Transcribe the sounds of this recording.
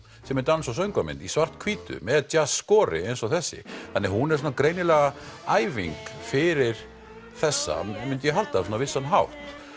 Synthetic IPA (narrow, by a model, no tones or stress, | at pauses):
sɛmɛt̪ansɔsœɥŋkamɪ̰nt̪isvar̥t̪kʰviːt̪ʏ̰mɛðt͡ɕasskɔːɾɪ̰ejnsɔθɛsːɪ̰θanːɪhunɛɾs̬ɔnakɾeːjnɪlɛɣaaːjviŋkfɪɾɪɾ̥ | θɛsːa̰mʏnt̪ɪjɛɦal̥t̪asɔnavɪsːanɦawft̪